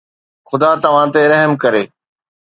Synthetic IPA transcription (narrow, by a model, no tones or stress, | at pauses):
xʊd̪at̪ɐʋ̤ãt̪eɾɐɦəmkɐɾeː